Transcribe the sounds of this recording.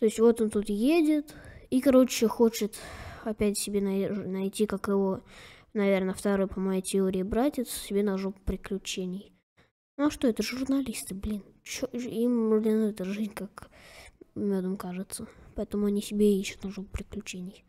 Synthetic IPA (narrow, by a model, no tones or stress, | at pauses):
t̪o̞ɪsʲtʲvo̞t̪ont̪ut̪jedʲɪt̪ikɐɾo̞t͡ɕːɪxo̞t͡ɕɪt̪ɐpʲætʲsʲɪbʲenɐnɐjtʲikakjɪvonɐvʲernəft̪ɐɾojpəmɐjejtʲɪoɾʲɪːbɾatʲɪt̪ssʲɪbʲe̞nɐʐoppɾʲɪklʲʉt͡ɕenʲɪj̪ | ɐʂt̪o̞ɛt̪əʐʊɾrnɐlʲist̪ɨblʲint͡ɕoimblʲɪnɛt̪əʐɨzʲnʲkak | mʲod̪əmkaʐɨt̪səpɐɛt̪əmʊɐnʲisʲɪbʲeiɕːʊ̥t̪nɐʐop̚pɾʲɪklʲʉt͡ɕenʲɪj